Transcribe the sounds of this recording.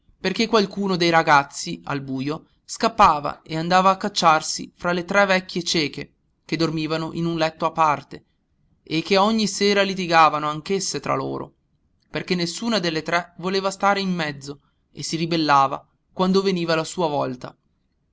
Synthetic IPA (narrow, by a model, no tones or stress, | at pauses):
perkekːwalkuːnod̪ejɾaɡat̪sːia̰lbuːjo | skapːaːva̰eand̪aːvaːkːat͡ʃːarsḭfɾalet̪ɾɛvɛkʲːjet͡ʃɛːke | k̟ed̪ːormiːvanoʔinunlɛt̪ːoapːart̪e | ekːeɔɲːiseːɾalit̪̬iɡaːvanoaŋkesːet̪ɾa̰lo̰ːɾo̰ | perkenːesːuːnad̪elːet̪ɾɛvoleːvast̪aːɾeimːɛd̪zːo | ḛsːiɾibelːaːva̰ | kwand̪oveniːvalasuːavɔlt̪a̰